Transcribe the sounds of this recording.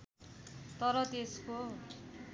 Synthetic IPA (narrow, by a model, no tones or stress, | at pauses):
t̪ʌɾʌt̪esko